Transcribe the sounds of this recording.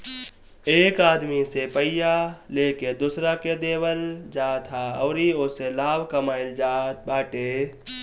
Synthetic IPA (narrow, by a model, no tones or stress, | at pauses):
eːkaːd̪misepəɪjaleːked̪ʊsɾaked̪eːwəld͡ʒaːt̪ʰaɔːɾioːselaːbkəmaːɪld͡ʒaːt̪̚baːʈeː